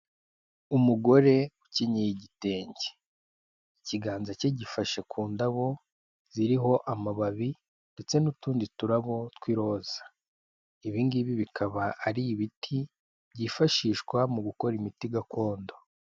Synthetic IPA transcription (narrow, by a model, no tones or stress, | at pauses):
umuɡo̞ɾe̞uciɲijiɟite̞ːɲɟe̥ | iciɡaːnzaceɟifaʃekʰuːndaβo̞ | z̥iɾiɦo̞ʔamaβaβi | nde̞t͡se̞nutuːndituɾaβo̞twiɾo̞z̥ḁ | iβiːŋɡiβiβikʰaβaʔːɾiːβitʰi | βɟiːfaʃiːʃkwamuɡuko̞ɾimitiɡakʰo̞ːndo̞